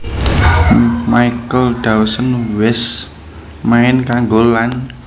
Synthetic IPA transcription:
majkəlɖ̥awsənwɛs | maɪnkaŋɡolan

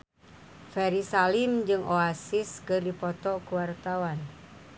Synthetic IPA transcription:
fɛɾisalimd͡ʒɨŋʔoasiskɨrdipɔt̪ɔkuwart̪awan

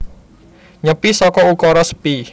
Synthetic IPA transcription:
ɲəpisɔkɔukɔɾɔsə̥pi

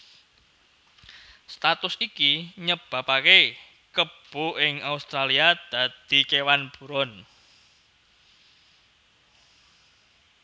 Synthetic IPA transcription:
st̪at̪ʊsikiɲəb̥a̤pake | kəb̥ṳʔɪŋaust̪ɾaliad̪̥ä̤d̪̥i̤kewanb̥ṳɾɔn

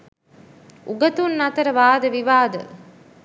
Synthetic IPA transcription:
ʔuɡɐt̪unːɐt̪ɐɾəʋaːd̪əʋiʋaːd̪ə̰

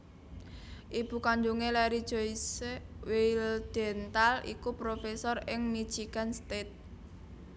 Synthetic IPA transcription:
ʔib̥ṳkaɲd͡ʒuŋelɛɾid̥ʒ̥oisweld̪̥ɛ̤nt̪alḭkupɾofesɔrɪŋmid̥ʒ̥iɡ̥anst̪et̪̚

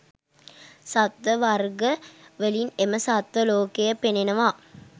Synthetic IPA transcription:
sɐt̪ʋɐʋɐɾɡɐʋelinemɐsɐt̪ʋɐloːkejɐpenenɐʋaː

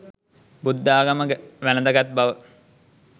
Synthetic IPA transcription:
bud̪ːaːɡɐməɡəʋænəd̪ɐɡat̪̚baʋə

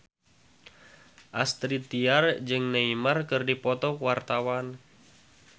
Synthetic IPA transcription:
ʔa̰st̪ɾit̪iard͡ʒɨŋneimarkɨrdipɔt̪ɔkwart̪awan

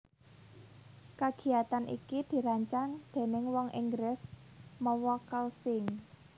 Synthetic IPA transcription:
kaɡ̥i̤jat̪anʔḭkid̪̥i̤ɾaɲt͡ʃaŋd̪̥e̤nɪŋwɔŋʔḭŋɡɾɪsmɔwɔkəlsɪŋ

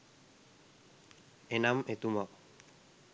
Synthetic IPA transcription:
enamet̪umak

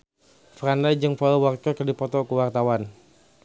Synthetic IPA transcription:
frandajd͡ʒɨŋfalwarkəkərdipɔt̪ɔkuwart̪awan

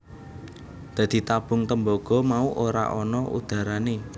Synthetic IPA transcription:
d̪̥ä̤d̪̥i̤t̪ab̥ʊ̤ŋt̪əmboɡ̥ɔ̤mauʔoɾa̰ʔɔnɔʔṵd̪̥ä̤ɾane

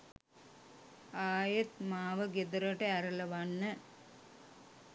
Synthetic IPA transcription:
aːjɐt̪maːʋəɡed̪ɐɾɐʈeæɾɐlɐʋanːə

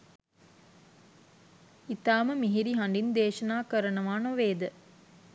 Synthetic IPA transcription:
it̪aːməmiɦiɾiɦɐɳɖind̪eːʃɐnaːkəɾənɐʋaːnoʋeːd̪ə

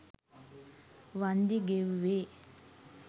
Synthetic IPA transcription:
ʋand̪iɡeʋʋe

